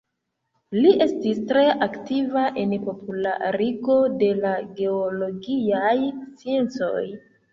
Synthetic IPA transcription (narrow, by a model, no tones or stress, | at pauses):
liʔe̞stistɾe̞ʔaktivaʔe̞npo̞pula̰ɾiɡo̞de̞laɡe̞olo̞ɡiajst͡sie̞nt͡so̞̰j